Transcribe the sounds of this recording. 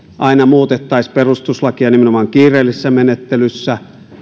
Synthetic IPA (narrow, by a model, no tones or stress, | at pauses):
ʔɑˑinɑmuːt̪et̪ːɑˑisʲperust̪uslɑkiɑnimenomɑŋkiːrˑeːlːisesːæmenet̪ːelysːæ